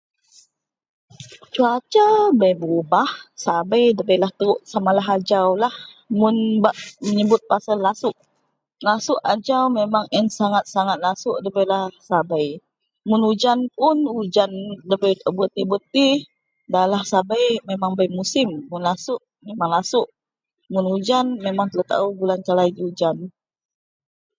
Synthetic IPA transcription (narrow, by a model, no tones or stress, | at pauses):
t͡ʃuat͡ʃabajbəubahsabajdəbəjlaht̪əɾʊʔsamalaɦad͡ʒawlah | mʊnbaʔməɲəbʊt̪̚pasallasʊʔ | lasʊʔad͡ʒawmemaŋɛnsaŋat̪̚saŋat̪̚lasʊʔdəbəjlahsabaj | mʊnud͡ʒanpʊnud͡ʒandəbəjt̪əbət̪ibət̪i | dalahsabajmemaŋbəjmusɪmːʊnlasʊʔ | memaŋlasʊʔ | mʊnud͡ʒanmemaŋt̪lat̪a̰ubulankalajd͡ʒud͡ʒan